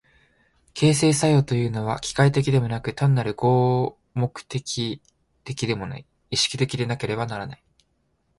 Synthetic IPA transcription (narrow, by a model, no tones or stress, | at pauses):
kʰe̞ːs̬e̞ːsajo̞ːt̪o̞jɯ̟ːno̞β̞a̰kʲi̥kait̪̬e̞kʲid̪e̞mo̞nakɯ̟t̪ãnːaɾɯ̟ɡo̞ː | mo̞kɯ̟̥t̪e̞kʲʰi | t̪e̞kʲid̪e̞mo̞na̰i | iɕi̥kʲi̥t̪e̞kʲid̪e̞nake̞ɾe̞banaɾanai